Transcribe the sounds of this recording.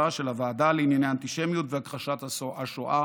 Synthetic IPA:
aʃelavaːdaleinjaneant̪iʃemjutveakʁaʃat̪aaʃoʔa

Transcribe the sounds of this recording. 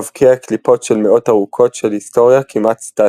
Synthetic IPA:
vkʰeaklipo̞tʃelmeʔo̞taʁukʰo̞tʃelhisto̞ʁjakʰimʔat̪st̪a

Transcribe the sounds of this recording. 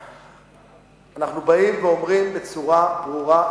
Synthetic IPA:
anaχnubaimveo̞mʁimbe̞t͡suʁabʁuʁa

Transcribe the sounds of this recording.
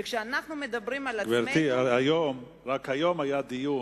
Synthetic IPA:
kʃɛanaχnumed̪abɾimalaɡvɛɾt̪iaajom | ɾakhajomajad̪iju

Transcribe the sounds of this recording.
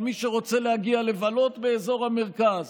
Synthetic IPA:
miʃeʁo̞t͡se̞lehaɡiale̞valo̞t̪beːzo̞ʁhameʁkaz

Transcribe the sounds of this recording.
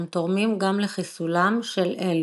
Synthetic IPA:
mt̪oʁmimɡamleχisulamʃelʔel

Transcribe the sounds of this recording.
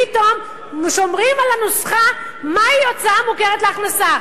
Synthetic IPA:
ito̞m | ʃo̞mʁimalanosχa | maiot͡samukeʁet̪leaχnasa

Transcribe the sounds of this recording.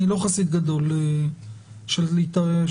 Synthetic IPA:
iloχasit̪̚ɡad̪o̞le | ʃelit̪a

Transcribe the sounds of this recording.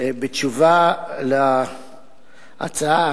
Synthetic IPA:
bet͡ʃuvala | ʔa̰t͡saa

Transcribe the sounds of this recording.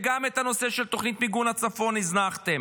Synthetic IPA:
ɡamet̪ano̞se̞ʃelt̪o̞χnit̪miɡunhat͡safo̞niznaχt̪em

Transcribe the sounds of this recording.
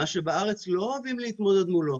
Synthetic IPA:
aʃebaaʁe̞t͡slo̞avimliit̪mo̞d̪e̞d̪mulo̞

